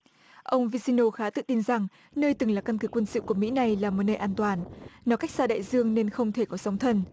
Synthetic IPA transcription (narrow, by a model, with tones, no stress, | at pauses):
ʔə˧wŋ͡mvi˧si˧no˧xaː˨˦t̪ɨ̰˧˨t̪i˧nza˨˩ŋ | nəː˧jt̪ɨ˨˩ŋlaː˨˩ka˧nkɨ˨˦kwə˧nsɨ̰˧˨ku˧˩əmḭ˧˥na˨˩jlaː˨˩mo˨˩t̚nəː˧jʔaː˧nt̪waː˨˩nnɔ˨˦ka˦˥jk̚saː˧ɗa̰ː˧˨jzɨ˧əŋne˧nxə˧wŋ͡mt̪ʰe˧˩kɔ˨˦sa˨˦wŋ͡mt̪ʰə˧n